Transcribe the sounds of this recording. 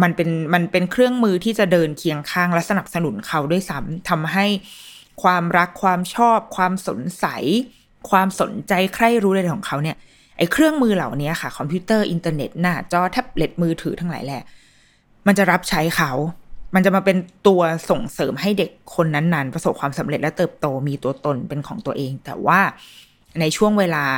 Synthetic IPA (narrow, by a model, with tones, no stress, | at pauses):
ma˧npe˧nma˧npe˧nkʰɾɯ˥˩əŋmɯː˧t̪ʰiː˥˩t͡ɕa˨˩dɤː˧nkʰi˧əŋkʰaː˥˩ŋlɛ˦˥sa˧na˨˩p̚sa˧nu˨˩˦nkʰa˦˥wdu˥˩əjsa˦˥mt̪ʰa˧mɦa˥˩j | kʰwaː˧mɾa˦˥kʰːwaː˧mt͡ɕʰɔː˥˩p̚kʰwaː˧mso̰˨˩˦nsa̰˨˩˦j | kʰwaː˧mso̰˨˩˦nt͡ɕa˧jkʰɾa˥˩jɾuː˦˥da˧˩jkʰɔː˨˩˦kʰa˦˥wni˥˩ɐ | ʔa˧jkʰɾɯ˥˩əŋmɯː˧la˨˩wni˦˥ɐxʰa˥˩kʰɔ˧mpʰjiː˦˥t̪ɤː˥˩ʔi˧nt̪aː˧nḛ˨˩t̪̚naː˥˩t͡ɕɔː˧˩t̪ʰɛː˥˩p̚le˨˦˩t̪̚mɯː˧t̪ʰɯː˩˦t̪ʰa˧˥ŋla̰ː˩˦jlɛː˧˩ | ma˧nt͡ɕa˨˩ɾa˦˥p̚t͡ɕʰa˦˥jkʰa˦˥wma˧nt͡ɕa˨˩maː˧pe˧nt̪u˧ɐso˨˩ŋsɤː˩˦mɦa˥˩jde˨˩kʰːo˧nːa˦˥nːa˦˥npɾa˧so˨˩p̚kʰwaː˧msa˩˦me˨˩t̪̚lɛ˦˥t̪ɤː˨˩p̚t̪oː˧miː˧t̪u˧ɐt̪o˧npe˧nkʰɔ̰ː˩˦ŋt̪u˧ɐʔeː˧ŋt̪ɛ̰ː˨˩waː˥˩ | na˧jt͡ɕʰu˥˩əŋweː˧laː˧